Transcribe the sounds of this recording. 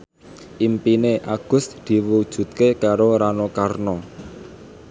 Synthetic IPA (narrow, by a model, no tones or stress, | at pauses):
ʔimpineʔaɡ̥ʊ̤sd̪̥i̤wud̥ʒ̥ṳt̪̚kekaɾoɾanokarnɔ